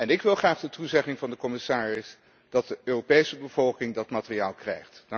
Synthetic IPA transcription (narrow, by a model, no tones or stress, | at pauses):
ɛnɪkʋɪlˠχraːχdətuzɛχɪŋvɑndəkɔmɪsaːrɪs | d̥ɑt̚dəøːropejsəbəv̥ɔlˠkɪŋdɑtmaːtərijaːlˠkrɛ̰jχtn